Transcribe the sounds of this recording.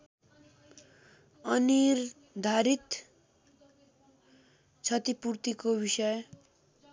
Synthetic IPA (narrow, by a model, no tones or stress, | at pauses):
ʌnir | d̪ʱaɾit̪ | t͡sʰʌt̪ipurt̪ikobisʌj